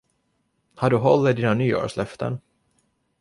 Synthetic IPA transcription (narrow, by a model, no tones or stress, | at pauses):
haɖɵɦɔlːɪd̪iːnanyːɔ̰ːɾʂlœft̪ʰə̰n